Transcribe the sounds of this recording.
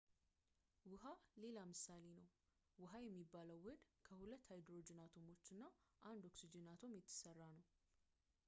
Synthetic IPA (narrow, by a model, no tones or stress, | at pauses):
wʊɦale̞lamɨsale̞nəw | wɨɦajɛmːibːaləwːəd̪kʰəhulət̪ːhajd̪ɾo̞d͡ʒɪnat̪ʰo̞mo̞t͡ʃːɨnːaʔand̪o̞ksid͡ʒenat̪ʰo̞mjɛt̪ʰːɨ̥sərːanəw